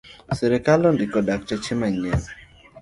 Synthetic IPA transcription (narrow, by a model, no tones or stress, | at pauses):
sɛɾɛkalɔndikɔdak̚t͡ʃɛt͡ʃɪmaɲɛl